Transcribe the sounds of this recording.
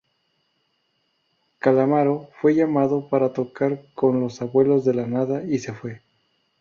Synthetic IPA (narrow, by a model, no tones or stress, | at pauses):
kalamaɾofwe̞ʝamaðo̞paɾat̪o̞kaɾko̞nlo̞saβwe̞lo̞zðe̞lanaðaise̞fwe̞